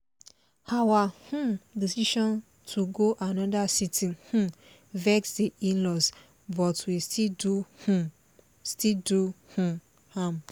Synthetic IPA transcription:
hawahũdisiʃɔ̃n | tʰuɡoʔanɔ̃dasitʰĩnhũ | vɛksdiʔĩnlɔs | bɔtwistʰiduhũ | stiduhũ | hãm

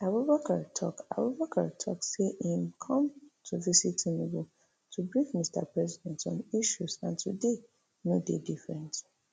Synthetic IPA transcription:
abubakʰaɹtʰɔ̰ka̰bubakʰaɹtʰɔ̰kseʔĩmkʰɔ̃mtʰuvisitĩniɡu | tʰubɹifmistʰa̰pɹɛzidɛ̃ntɔ̃niʃusãntʰude | nodedifɹɛ̃nt

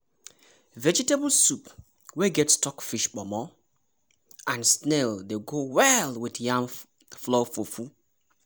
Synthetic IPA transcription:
vɛd͡ʒitebl̩sup | wɛɡɛtstɔkfiʃbɔmɔ | ãnsnɛldeɡowɛlwiθjãm | flɔfofu

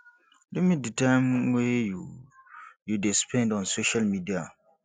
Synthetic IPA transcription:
dumĩditʰãmweju | judespʰɛ̃ndɔ̃nsoʃalmidia

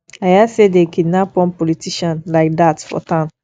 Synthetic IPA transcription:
ajasedekidnapɔ̃npɔlitiʃɔ̃nlaɪk̚datfɔ̰tãʊ̃n

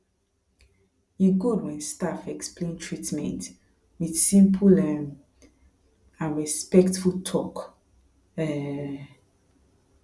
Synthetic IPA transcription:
jiɡudwɛ̃nstafɛksplẽntʰɹitmɛ̰̃nt | wid̥sĩmpʰulɛm | ãnɹispɛktfultʰɔk | ɛ

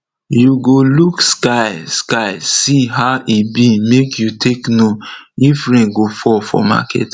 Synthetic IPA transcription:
juɡolukskaɪskaɪsiɦaʊʔibimekjutʰeknoifɹẽɡofɔfɔ̰ma̰kʰɛ̰t

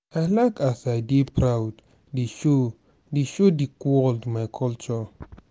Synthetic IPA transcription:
ajlaɪkasajdipʰɾawd | deʃo | deʃodikɔldmajkʰɔlt͡ʃɔ

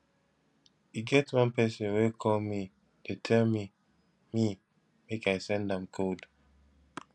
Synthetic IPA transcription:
iɡɛtwʌ̃npɛsə̃nwekʰɔlˠmi | detʰɛlmi | mi | mekajsɛ̃ndãmkʰod

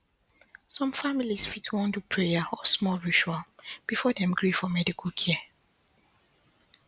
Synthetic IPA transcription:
sɔ̃mfamilisfitwɔ̃ndupʰɹejaɔsmɔlɹit͡ʃualb̥ifɔdɛ̃mɡɹifɔmɛdikʰɔlkʰɛ

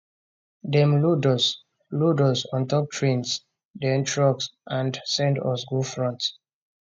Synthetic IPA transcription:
dɛ̃mludɔs | ludɔsɔ̃ntɔp̚tʰɹĩns | dɛ̃ntɹɔksʔãndsɛ̃ndɔ̰sɡufɹɔ̃nt

